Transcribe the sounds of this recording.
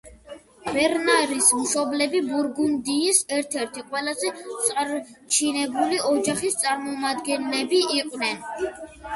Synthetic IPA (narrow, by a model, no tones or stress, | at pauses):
b̥ɛɾnaɾismʃɔblɛbibuɾɡund̪iːsɛɾt̪ʰɛɾt̪ʰiqʼwɛlazɛt̪sʼɾt͡ʃʰinɛbuliɔd͡ʒaχist̪sʼaɾmɔmad̪ɡɛnlɛbiʔiqʼwnɛn